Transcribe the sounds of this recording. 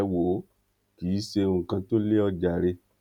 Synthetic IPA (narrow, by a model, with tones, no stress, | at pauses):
wo˨˦ | kiː˨˦ʃe˧ũ˦˧˨kã˧to˦le˦ɔ˧d͡ʒa˨ɾe˧